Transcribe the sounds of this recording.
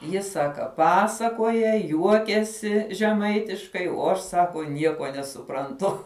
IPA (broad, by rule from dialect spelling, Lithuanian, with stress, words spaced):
ˈjɪ ˈsɑːkɐ ˈpɑːsɐkoːjɛ ˈjuɔkʲɛsʲɪ ʒʲɛˈmɐɪtʲɪʃkɐɪ oː ˈɐʃ ˈsɑːkoː ˈnʲiɛkoː nʲɛsʊprɐnˈtʊ